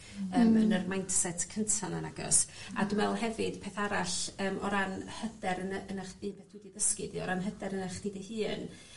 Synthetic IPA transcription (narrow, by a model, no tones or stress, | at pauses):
əːmhənərmajntʰsɛtʰkʰəntʰananaɡɔ̰sa̰dwɛlˠɦɛvɨd̥pʰeːθaɾaɬəːmɔɾanhədɛɾənənaχiːpʰeːθd̥widiðəskɨdiɔɾanɦədɛɾənaχd̥idəhɨːn